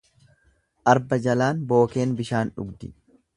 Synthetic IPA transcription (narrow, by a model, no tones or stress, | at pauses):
ʔɐɾbɐd͡ʒɐlaːnbo̞ːke̞ːnbɪʃaːnᶑʊ̰ɡd̪ɪ